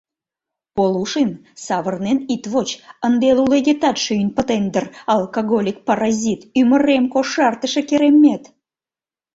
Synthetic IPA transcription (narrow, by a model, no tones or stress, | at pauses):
poluʃən | sɑβərnenit̪βot͡ɕənd̪eluleɣet̪ɑt̪ʃynpət̪end̪ərɑlkoɣolʲik̚pɑɾɑzʲit̪yməɾemkoʃɑrt̪əʃekeɾemːet̪